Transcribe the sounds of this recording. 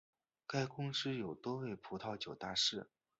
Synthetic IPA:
ka˥˩ɪkʊ˥ŋʈ͡ʂɻ̩˥jo˨˩ʊt̪wɔ˥we˥˩ɪpʰu˧˥t̪ʰɑ˥˧ʊt͡ɕjo˨˩ʊt̪a̰˥˧ʂɻ̩˥˩

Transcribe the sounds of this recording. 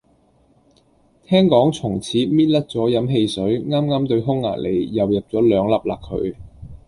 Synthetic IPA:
t̪ʰɛː˥ŋkɔː˨˥ŋt͡sʰʊ˨˩ŋt͡sʰiː˨˥miː˥t̚lɐ˥t̚t͡sɔː˨˥jɐ˨˥mɦe˧jsɵ˨˥ɥŋaː˥mŋaː˥mt̪ɵ˧ɥɦʊ˥ŋːa̰ː˨˩le˨˩jːɐ˨wjɐ˨p̚t͡sɔː˨˥lœː˨˧ŋlɐ˨p̚laː˨kʰːɵ̰˨˧ɥ

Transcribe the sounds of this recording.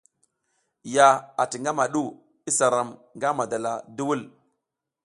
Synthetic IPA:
ja˨a˨ti˨ŋɡa˦ma˨ɗu˦˨ | i˦sa˨ɾa˨mŋɡa˦ma˨da˨la˨du˦wu˦l

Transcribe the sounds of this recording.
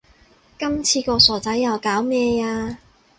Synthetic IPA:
kɐ˥mt͡sʰiː˧kɔː˧sɔː˨˩t͡sɐ˨˥jːɐ˨˩wkaː˨˥wmɛː˧aː˧

